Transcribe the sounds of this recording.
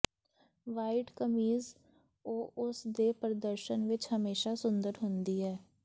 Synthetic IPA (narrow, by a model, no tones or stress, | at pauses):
ʋaːɪʈkəmiːz | oːʔʊsd̪eːpɾəd̪əɾʃənʋɪt͡ʃhəmeːʃasʊ̃nd̪əɾɦʊ̃nd̪iːɦɛː